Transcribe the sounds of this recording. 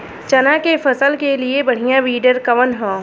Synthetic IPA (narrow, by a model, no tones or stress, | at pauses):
t͡ʃɐnãkepʰɐsəlkeliebɐɽ̤ijãʋiːɖəɾkɐʋənɦɔ̃ː